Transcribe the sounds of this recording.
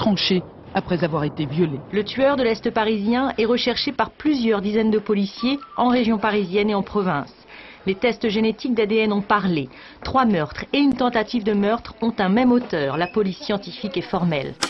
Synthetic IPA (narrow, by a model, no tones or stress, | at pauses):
t̪χɑ̃ʃe | apχɛzavwaʁet̪evjɔlelət̪ɥœʁd̪əlɛst̪əpaʁizjɛ̃ɛʁəʃɛʁʃepaʁplyzjœʁd̪izɛnd̪əpɔlisjeɑ̃ʁeʒjɔ̃paʁizjɛneɑ̃pχɔvɛ̃s | let̪ɛst̪ʒenet̪ik̚d̪ad̪eɛnɔ̃paʁle | t̪χwamœʁt̪χeynt̪ɑ̃t̪at̪ivd̪əmœʁt̪χɔ̃t̪ɛ̃mɛmot̪œːʁlapɔlisːjɑ̃t̪ifikɛfɔʁmɛl